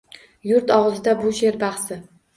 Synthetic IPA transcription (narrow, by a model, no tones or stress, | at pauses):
jʊɾt̪ɒʁzɪd̪abʊʃe̞ɾbɑχsɪ